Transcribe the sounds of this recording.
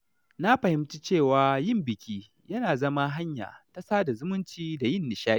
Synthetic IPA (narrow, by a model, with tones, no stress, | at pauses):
na˦ɸɐ˨hɪ˦mt͡ʃi˦t͡ʃeː˦˨waː˨jɪ˦mbɪ˨kʲiː˦ | jɐ˦naː˨zɐ˦ma˦ɦa˦ɲja̰ː˨ta˨saː˦da˨zʊ˦mʊ˦nt͡ʃiː˦da˨jɪ˦˨nːɪ˨ʃaː˦i˦